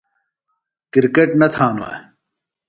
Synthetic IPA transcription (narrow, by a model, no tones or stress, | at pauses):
kiɾkeʈnɐt̪ʰaːnua̰